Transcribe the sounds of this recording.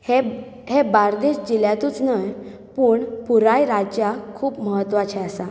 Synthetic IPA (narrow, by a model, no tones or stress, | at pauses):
he | ɦebaɾd̪eɕd͡ʑiljãt̪uːt͡snəj | puːɳpuɾajɾad͡ʑjakʰuːpməɦət̪ːʋat͡ɕʰɛasa